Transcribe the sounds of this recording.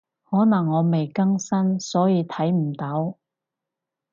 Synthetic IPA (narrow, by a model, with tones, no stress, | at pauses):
hɔː˨˥nɐ˨˩ŋːɔː˨˧me˨jkɐ˥ŋsɐ˥nsɔː˨˥jiː˨˧t̪ʰɐ˨˥jm̩˨˩t̪ɐ˨˥w